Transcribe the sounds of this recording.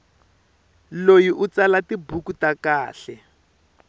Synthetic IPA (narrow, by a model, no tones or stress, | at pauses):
lojiʔut͡salatibukutakaːɬɛ